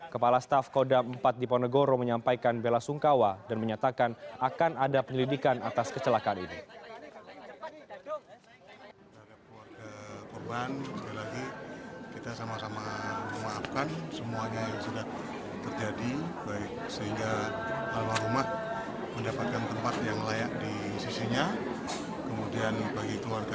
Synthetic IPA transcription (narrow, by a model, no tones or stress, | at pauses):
kəpalast̪afkodaəmpat̪̚dipɔnəɡoɾoməɲampajkanbelasuŋkawadanməɲat̪akanakanadapəɲəlidikanat̪askət͡ʃəlakaːninḭ | t̪adakluwarɡakɔrbanskilaɡikit̪asamasamaməmaapkansəmuaɲajaŋsudah | t̪ərd͡ʒadibaɪk̚səɦiŋɡa | lalahɾumah | məndapat̪̚kant̪əmpat̪jaŋlajak̚di | sisiɲa | kəmudianbaɡikluarɡa